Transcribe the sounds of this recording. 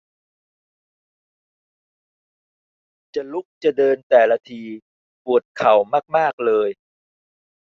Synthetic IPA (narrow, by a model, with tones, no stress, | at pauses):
t͡ɕa˨˩lu˦˥k̚t͡ɕa˨˩dɤː˧nt̪ɛː˨˩la˧t̪ʰiː˧ | pu˨˩ət̪̚kʰa˨˩˦wmaː˥˩k̚maː˥˩k̚lɤː˧j